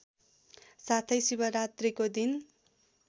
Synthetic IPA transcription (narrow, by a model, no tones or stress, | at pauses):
sat̪ʰʌjsibʌɾat̪rikod̪in